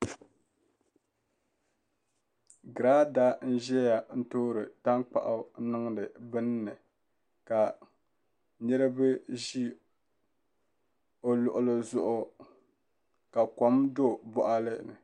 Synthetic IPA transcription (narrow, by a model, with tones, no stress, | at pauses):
ɡɨ˨ɾa˦da˦n̩˦ʒɛ˦ja˨n̩˦toː˦ɾɨ˨ta˦ŋk͡pa̰˨ʔa˦nɨ˦ŋdɨ˨bɨ˦nː˦ɨ˨ | ka˨ | nɛ˦ɾɨ˦bɨ˦ʒi˦ | o˨lʊ˨ʔʊ˨lɨ˨zʊ˨ʔʊ˦ | ka˨kɔ˨mdo˦˨bɔ˨ʔa˦lɨ˦˨nɨ˨